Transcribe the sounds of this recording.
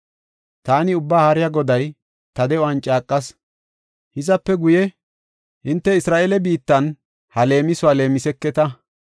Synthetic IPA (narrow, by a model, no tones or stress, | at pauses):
t̪aːnɪʊbːaːhɐɾɪjaɡɔd̪ɐj | t̪ɐd̪ɛɔɐnt͡ʃʼaːkʼːɐs | hɪzɐpːɛɡʊjɛ | ʔɪnt̪ːɛɪsɾaːʔelɛbiːt̪ːɐn | hɐle̞ːmɪsʊaːle̞ːmɪsɛkːɛt̪ɐ